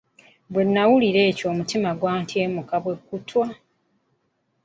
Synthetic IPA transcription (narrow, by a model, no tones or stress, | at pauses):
bwe̞nːawuliɾe̞ːcoːmutimaɡwaːntie̞ːmukaβwe̞kːutwa